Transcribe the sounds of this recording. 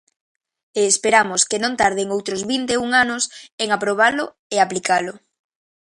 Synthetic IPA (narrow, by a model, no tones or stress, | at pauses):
eːspeɾamʊskenõŋt̪aɾð̞eŋowt̪ɾʊzβint̪euŋanʊseŋapɾoβ̞alʊ | eaplikalʊ